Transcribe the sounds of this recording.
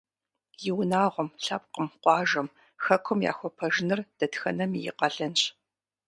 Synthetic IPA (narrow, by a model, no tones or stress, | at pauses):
jɪwnaːʁʷɔmɬɐp̚qəmqʷɑːʒɐm | xɐkʷʰʊmja̰ːxʷɔpʰɐʒɪnɨrd̥ɐtxɐnɐmijɪ̰qɐɮɐnɕ